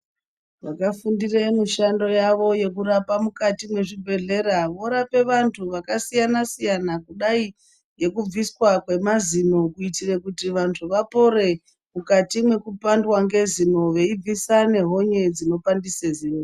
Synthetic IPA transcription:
ʋakafundiremuʃando̞jaʋo̞je̞kuɾapamukatimwe̞ʐibʱe̞ɮe̞ɾaʋo̞ɾape̞ʋantʰuʋakasijanasijanakuɗai | je̞kub͡viswakwe̞mazino̞kuitire̞kutiʋantʰuʋapo̞ɾe̞ | mukatimwe̞kupandwaŋɡe̞zino̞ʋe̞ib͡visane̞ɦo̞ɲe̞d͡zino̞pandisezino

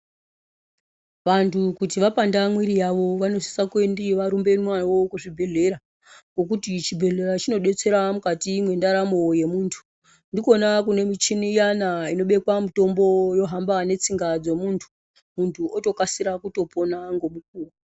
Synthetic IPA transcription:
ʋantʰukutiʋapandamwiɾijaʋo̞ʋano̞si̥sakwendiʋaɾumbe̞nmwanwo̞kuʐibʱe̞ɮe̞ɾa | kɡo̞k̬utit͡ʃibʱe̞ɮe̞ɾat͡ʃino̞ɗe̞t͡se̞ɾamukatimwe̞ndaɾamo̞je̞muːntʰu̥ | ndiko̞nakune̞mit͡ʃinijanaino̞ɓe̞kwamuto̞mbo̞jo̞ɦambane̞t͡siŋɡad͡zo̞muntʰu̥ | muntʰuʔoto̞kasiɾakuto̞pʰo̞naŋɡo̞muk̚uːwa

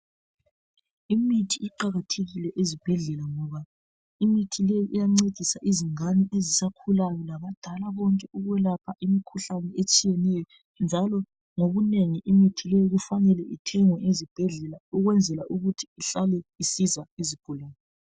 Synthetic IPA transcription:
imitʰiʔiǃaɣatʰeɣilɛʔezib̥ʱɛɮɛlaŋɔβa | imitʰilejiʔijaŋ͡ǀed̥ʱisaʔiziŋanɛʔezisakʰulajɔlaβad̥ʱalaβɔŋkʼɛʔuɣwɛlapʰaʔimikʰuɬanɛet͡ʃʼijɛnɛjɔ | nd͡ʒʱalɔ | ŋoɣuneŋiʔimitʰilejiɣufanɛlɛʔitʰɛŋɔʔezib̥ʱɛɮɛlauɣwɛnd͡zʱɛlaʔuɣutʰi̥ːɬalɛisizaizib̥ʱulaːnɔ

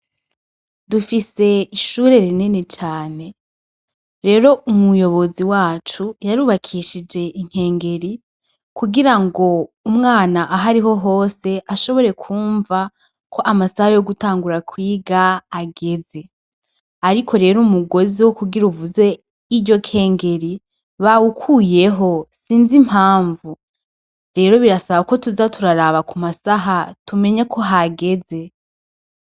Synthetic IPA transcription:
dufise̞iʃuːɾe̞ɾinene̞t͡ʃaːne̞ | ɾe̞ːɾo̞ʔumujo̞βo̞ziwaːt͡ʃujaɾuːβakʰiʃid͡ʒe̞ʔiŋ̥he̞ːŋɡe̞ɾi | kuɡiɾaŋɡo̞umŋaːnaʔaɦaɾiɦo̞ɦo̞ːse̞ʔaʃo̞βo̞ɾe̞kʰuːɱva | kʰo̞ʔamasahajo̞ɡutaːŋɡuɾakʰwiːɡaːɡe̞ze̞ | aɾikʰo̞ɾe̞ːɾumuɡo̞ziwokuɡiɾuvuze̞ | iɟo̞kʰe̞ːŋɡe̞ɾi | βawukʰuːje̞ɦo̞siːnzimhaːɱvu | ɾe̞ːɾo̞βiɾasaβako̞tuzatuɾaɾaːβakumasaɦatume̞ɲakʰo̞ɦaɡe̞ze̞

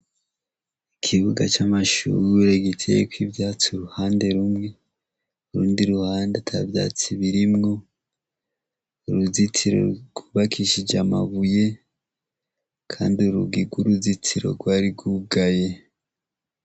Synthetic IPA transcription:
ikʰiβuɡat͡ʃamaʃṵɾuɾeɡitʰejekwivjaːt͡siuɾuhaːnde̞ɾumŋe̞ | uɾuːndiɾuhaːndetʰa̰vja̰ːt͡siβiɾimŋo̞ | uɾuzitiɾo̞̰ɡ̥wuβakʰiʃid͡ʒamaβuje̞ | kʰa̰ːndiuɾuɡiɡwuɾuzitʰiɾo̞̰ɡwaːɾiɡuɡaje̞

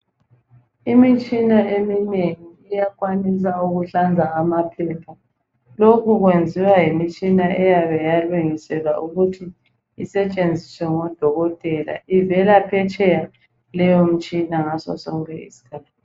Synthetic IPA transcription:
imit͡ʃʼinaemineŋiːjakʼwanis̬auɣuɬand͡zʱaːmapʰɛpʰa | lokʰuɣwend͡zʱiwajimit͡ʃʼinaʔɛjaβɛjaluŋisɛlaʔuɣutʰiː | sɛt͡ʃʼend͡zʱiswɛŋɔd̥ʱɔɣɔtʼɛla̰ivɛlapʰɛt͡ʃʼɛja | lɛjom̩t͡ʃʼinaŋasɔ̰sɔŋkʰʼɛḭsi̥kʰaːtː

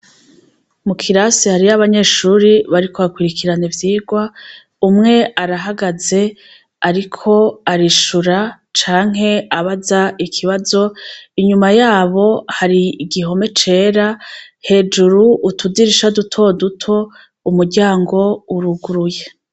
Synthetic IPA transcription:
mukʰiɾasihaɾiaβaɲe̞ːʃuːɾiβaɾikʰo̞βakwiɾikʰiɾanevjiːɡwa | umŋe̞aɾaɦaɡaze̞ | aɾikʰo̞aɾiʃuɾa | t͡ʃaːŋ̥ɦe̞aβazaikʰiβazo̞iɲumajaːβo̞haɾiiɡiɦo̞me̞t͡ʃe̞ːɾahe̞ːd͡ʒuɾuʔːtʰudiɾiʃadutʰo̞dutʰo̞ | umuɾɟaːŋɡo̞uɾuɡuɾuje̞

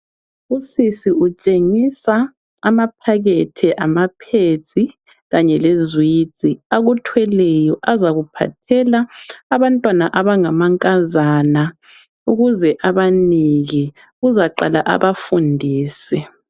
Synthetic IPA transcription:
usisiut͡ʃʼeŋisa | amap̚ʰaɣetʰiʔamapʰe̥t͡sʼi | ɣaɲɛlezwiːt͡sʼiaɣutʰwɛlɛjɔʔazaɣupʰa̰tʰɛlaːβantʼwanaʔaβaŋamaŋkʼazana | uɣuzɛʔaβaniɣi | ɣuzaǃa̰la̰ʔa̰βafundʱiːsɛ

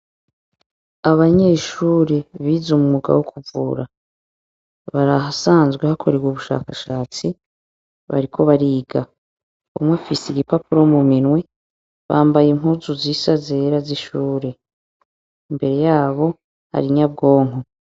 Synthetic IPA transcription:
aβaɲe̞ʃuːɾeβiːzumumuɡa̰wokʰuvṵːɾa | βaɾaɦasaːnzɡwehakʰo̞ɾe̞ɡwuβuʃa̰ːkaʃaːt͡si | βa̰ɾikʰo̞βaɾiːɡa | umwefisiɡipapuɾo̞muminwe̞ | βaːmbajimɦuːzuziːsaze̞ɾaziʃuːɾe̞ | imbe̞ɾe̞jaːβo̞ | ha̰ɾiɲabɡo̞ːŋ̥o

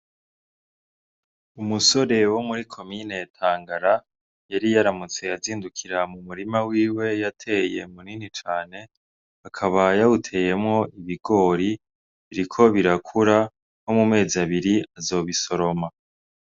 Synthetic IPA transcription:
umuso̞ɾe̞wo̞muɾikʰo̞mine̞tʰaːŋɡaɾa | jaɾijaɾamut͡se̞jaziːndukʰiɾamumuɾimawiːwe̞jatʰe̞ːje̞muninit͡ʃaːne̞ | akʰaβajautʰe̞ːje̞mŋo̞iβiɡo̞ːɾi | βiɾikʰo̞βiɾakʰuɾa | ho̞mume̞ːziaβiɾiazo̞ːβiso̞ɾo̞ma

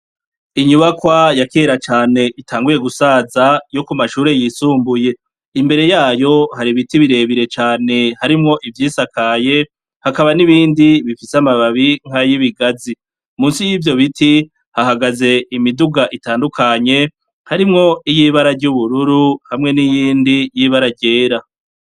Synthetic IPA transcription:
iɲuβakwajakeːɾat͡ʃaːne̞ʔitʰaːŋɡuje̞ɡusazajo̞kumaʃuːɾe̞jisuːmbuje̞ | imbe̞ɾe̞jaːjo̞haɾiβitiβiɾe̞βiɾe̞t͡ʃaːne̞haɾimŋo̞ʔivjiːsakaje̞ | hakaβaniβiːndiβifisamaβaβiŋ̥hajiβiɡazi | muːnsijiːvjo̞βiti | hahaɡaze̞imiduɡaʔitaːndukʰaɲe̞ | haɾimŋo̞ijiβaɾaɾɟuβuɾuɾuhamŋe̞nijiːndijiːβaɾaɟe̞ːɾa

